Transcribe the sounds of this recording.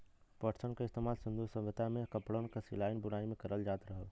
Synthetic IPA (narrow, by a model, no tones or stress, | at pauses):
pəʈsənkaɪst̪emaːlsʊ̃nd̪usə̃ʋət̪amẽkəpɽõnkasilaːɪnbʊnaːimẽkɐɾəld͡ʒaːt̪ɾəɦəl